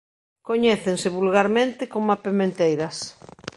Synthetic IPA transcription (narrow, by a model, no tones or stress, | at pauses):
koɲɛθensɪβulɣaɾmẽnt̪ɪkomapemẽnt̪ejɾɐs